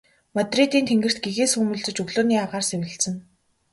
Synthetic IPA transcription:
mat̪rit̪iːnt̪ʰeŋɡɘ̆r̥t̪̚ɡeɣeːsɵmɵ̆ɮt͡sɵ̆t͡ɕɵɣɮoːniːaʁaːrsewɘ̆ɬsɘ̆n

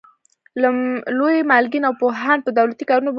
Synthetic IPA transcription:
llojmalɡinawpoɦanpəd̪awlat̪ikɑɾunob

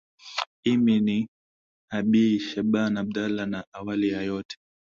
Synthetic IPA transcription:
imini | haɓiʃaɓanabdalanaʔawalijajɔtʰɛ̥

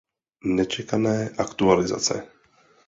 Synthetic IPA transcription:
nɛt͡ʃɛkanɛːʔakt̪ualɪza̰t͡sɛ̰

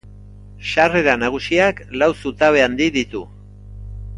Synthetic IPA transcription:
ʃare̞ɾanaɣ̞usiaklawsut̪aβe̞and̪iðit̪u

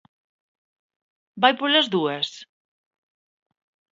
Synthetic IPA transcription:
bajpolazðuas

